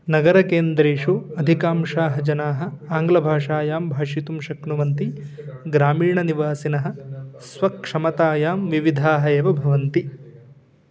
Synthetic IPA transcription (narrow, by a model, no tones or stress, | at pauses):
nɐɡɐɾɐkeːnd̪ɾeːʂuɐd̪ʱikaːmʂaːɦɐd͡ʒɐnaːɦɐ̆aːŋɡlɐbʱaːʂaːjaːmbʱaːʂit̪umʃɐknuʋɐnt̪i | ɡɾaːmiːɳɐniʋaːsinɐɦɐ̆sʋɐkʂɐmɐt̪aːjaːmʋiʋid̪ʱaːɦɐeːʋɐbʱɐʋɐnt̪i